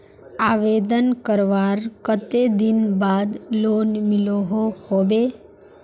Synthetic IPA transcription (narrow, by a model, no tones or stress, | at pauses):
aʋed̪ənkəɾʋaɾkət̪ed̪ɪnbaːd̪lonmɪloɦohobe